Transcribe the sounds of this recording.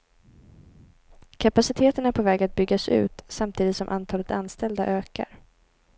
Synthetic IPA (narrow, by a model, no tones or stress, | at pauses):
kʰapasɪt̪ʰeːt̪əɳæpʰovɛːɡat̪̚bʏɡːasʉ̟̰ːt̪samt̪ʰiːd̪ɪt̪sɔmʔa̰nt̪ʰɑːlət̪anst̪ɛld̪aʔøːka̰ɾ